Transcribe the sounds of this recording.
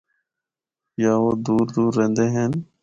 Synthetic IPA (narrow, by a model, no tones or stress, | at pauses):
jaːʋoːd̪uːɾd̪uːɾːẽːnd̪eːɦeːn